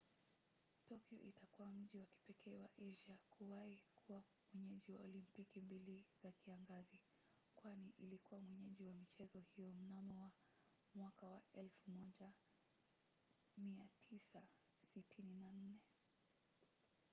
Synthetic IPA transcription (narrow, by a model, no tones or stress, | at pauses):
tɔkiɔ̰ʔitakuwam̩ʄiwaki̥pɛkʰɛːwaʔɛʒiakʰuwahikuwa | mwɛɲɛʄiwaɔlimpikimbiliz̥akiaŋɡazi | kwaniʔilikuwamwɛɲɛʄiwamit͡ʃɛzɔhijɔm̩namɔwa | mwakawaʔɛlfumɔʄa | miatʰisa | sitʰininan̩nɛ